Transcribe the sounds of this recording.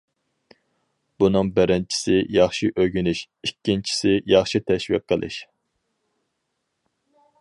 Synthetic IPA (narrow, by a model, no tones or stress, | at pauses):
b̥unɨŋbɪɾɪnt͡ʃʰi̥sɪjɑχʃiʔøɡʲynɪʃ | ikʲːint͡ʃʰi̥sɪjɑχʃit̪ʰɛʃwḭqʰːəlˠɨ̰ʃ